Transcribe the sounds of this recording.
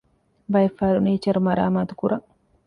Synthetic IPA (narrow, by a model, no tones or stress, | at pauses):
bɐefːaːɾuniːt͡ʃɐɾumɐɾa̰ːmaːt̪u̥kuɾʔɐ